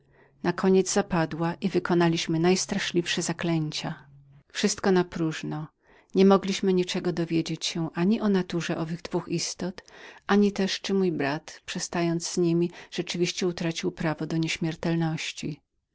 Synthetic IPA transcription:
nakʰɔɲɛd̪zzapad̪waʔivɘkɔnalʲiɕmɘnajst̪ɾaʂlʲifʂɛzaklɛɲt͡ɕa | fʂɘst̪kɔnapɾuʐnɔ | ɲɛmɔɡlʲiɕmɘɲit͡ʂɛɡɔd̪ɔvʲjed͡ʑet͡ɕɕɛʔaɲiʔɔnat̪uʐɛʔɔvɘɣd̪vuxist̪ɔt̪ʔaɲit̪ɛʂt͡ʂɘmujbɾat̪pʂɛst̪ajɔnd̪zz̥ɲimʲiʐ̥ɛt͡ʂɘvʲiɕt͡ɕɛut̪ɾat͡ɕiwpɾavɔd̪ɔɲeɕmʲjɛɾt̪ɛlnɔɕt͡ɕi

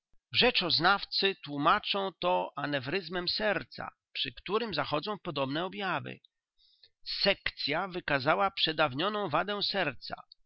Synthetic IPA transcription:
ʐɛt͡ʂɔznaft̪sɘt̪wumat͡ʂɔ̃w̃t̪ɔʔanɛvɾɘzmɛmsɛɾt̪sa̰ | pʂɘkt̪uɾɘmzaxɔd̪zɔ̃w̃pɔd̪ɔbnɛɔbʲjavɘ̰ | sɛkt̪sʲjavɘkazawapʂɛd̪avɲɔnɔ̃w̃vad̪ɛ̃w̃sɛɾt̪sa̰

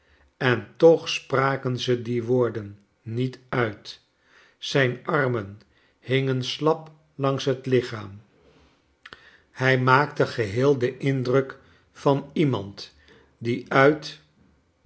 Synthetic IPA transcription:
ɛntɔχspraːkənzədiʋoːɹdənː | itœɥt | sɛjnʔɑrmən | hɪŋənslɑp | lɑŋsɦətlɪχaːm | hɛjmaːktəχəɦɪːlˠdəʔɪndrək | fɑnimɑ̰nt | diʔœɥt

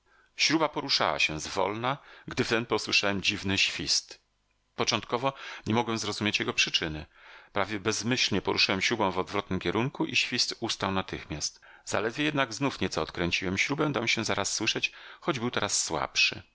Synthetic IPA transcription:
ɕɾubapɔɾuʂa̰wa̰ɕɛzvɔ̰lnaɡd̪ɘft̪ɛnpɔswɘʂawɛmd͡ʑivnɘɕfʲist̪ | pɔt͡ʂɔ̃nt̪kɔvɔɲɛmɔɡwɛmzɾɔzumʲjet͡ɕjɛɡɔpʂɘt͡ʂɘnɘpɾavʲjɛbɛzmɘɕlɲɛpɔɾʔuʂɘwɛmɕɾubɔ̃w̃vɔd̪vɾɔt̪nɘmkʲɛɾʔuŋkuʔiɕfʲist̪ust̪awnat̪ɘxmʲjast̪ | z̥a̰lɛd̪vʲjɛjɛd̪naɡznufɲɛt̪sɔːt̪kɾɛɲt͡ɕiwɛmɕɾubɛ̃d̪amɕɛ̃zaɾasːwɘʂɛt͡ɕxɔd͡ʑbɘwt̪ɛɾasːwa̰pʂɘ̰

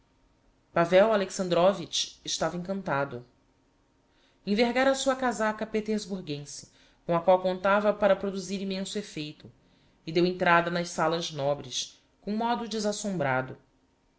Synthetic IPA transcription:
pavɛwaleksɐ̃nd̪ɾɔvit͡ʃɪʃt̪avɐẽŋkɐ̃nt̪ad̪ʊ | ẽveɦɡaɾɐsuɐkazakɐpet̪eɾzbuɾɡẽsɪ̥ | kõɐkwawkõnt̪avɐpaɾɐpɾod̪uziɾimẽsʊefejt̪ʊ | ɪd̪ewẽnt̪ɾad̪ɐnɐʃsalɐʒnɔbɾɪʃ | kõmɔd̪ʊd͡ʒɪzasõmbɾad̪ʊ

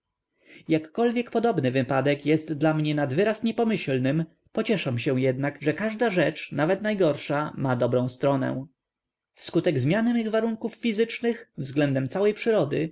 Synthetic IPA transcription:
jakːɔlvʲjɛkpɔd̪ɔbnɘvɘpad̪ɛkjɛst̪d̪lamɲɛnad̪vɘɾasɲɛpɔmɘɕlnɘm | pɔt͡ɕɛʂamɕɛw̃jɛd̪nakʐɛkaʐd̪aʐɛt͡ʂnavɛt̪najɡɔɾʂamad̪ɔbɾɔ̃w̃st̪ɾɔnɛ̰̃ | fskut̪ɛɡzmʲjanɛmiɣvaɾuŋkufːʲizɘt͡ʂnɘxvzɡlɛnd̪ɛmt̪sawɛjpʂɘɾɔd̪ɘ

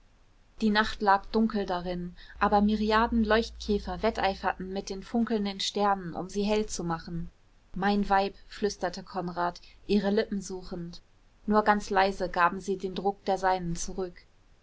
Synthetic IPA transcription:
d̥iːnaχtlaːkd̥ʊŋkl̩daʁɪnʔaːbɐmɪʁiaːɐdn̩lɔʏçtkʰɛːfɐvɛtʔaɪfɐtn̩mɪt̚d̥eːnfʊŋkl̩ndənʃtɛɐnənʔʊ̰mziːɦɛlt͡sumaχn̩ | maɪnvaɪpflʏstɐtʰəkʰɔnʁaːtʔiːʁəlɪpm̩zuːχn̩t | nuːɐɡant͡slaɪzəɡaːbm̩ziːdeːndʁʊk̚d̥eːɐzaɪnənt͡suʁʏk

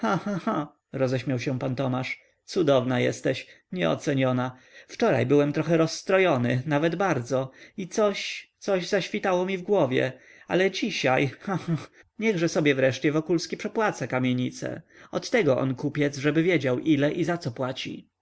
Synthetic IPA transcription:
xãxaxa | ɾɔzɛɕmʲawɕɛpant̪ɔmaʂ | t̪sud̪ɔvnajɛ̰st̪ɛɕ | ɲɛ̰ɔ̰t̪sɛɲɔnaft͡ʂɔɾa̰jbɘwɛmt̪ɾɔxɛɾɔsːt̪ɾɔjɔnɘnavɛd̪baɾd̪zɔit̪sɔɕt̪sɔʑzaɕfʲit̪awɔmʲivɡwɔvʲjɛ̰a̰lɛd͡ʑiɕajxãxa | ɲɛɣʐɛsɔbʲjɛvɾɛʂt͡ɕɛvɔkulskʲipʂɛpwat̪sakamʲjeɲit̪sɛ̰ | ɔt̪ːɛɡɔʔɔ̰nkupʲjɛt̪zʐɛbɘvʲjed͡ʑawʔilɛʔizat̪sɔpwat͡ɕḭ

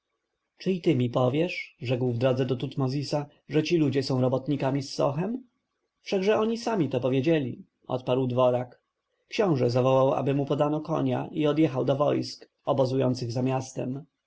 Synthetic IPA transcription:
t͡ʂɘit̪ɘmʲipɔvʲjɛʂʐɛkwvd̪ɾɔd̪zɛd̪ɔt̪ut̪mɔzʲisa | ʐɛt͡ɕilud͡ʑɛsɔ̃w̃ɾɔbɔt̪ɲikamʲisːɔ̰xɛm | fʂaɡʐɛɔɲisamʲit̪ɔpɔvʲjed͡ʑɛlʲḭ | ɔ̰t̪paɾwd̪vɔɾak | kɕɔ̃w̃ʐɛzavɔwawa̰bɘmupɔd̪anɔkɔ̰ɲa̰ʔiɔd̪jɛxawd̪ɔvɔjsk | ɔbɔzujɔnt̪sɘɣzamʲast̪ɛ̰m

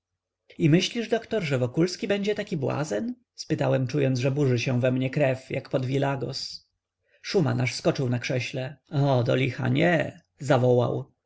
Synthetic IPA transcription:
imɘɕlʲiʐd̪ɔkt̪ɔɾʐɛvɔkulskʲibɛɲd͡ʑɛt̪akʲibwa̰zɛn | spɘt̪awɛmt͡ʂujɔnʐɛbuʐɘɕɛ̃vɛmɲɛkɾɛfja̰kpɔd̪vʲilaɡɔs | ʂuma̰naʂskɔt͡ʂɘwnakʂɛɕlɛɔd̪ɔ̰lʲixa̰ɲɛ | zavɔwa̰w

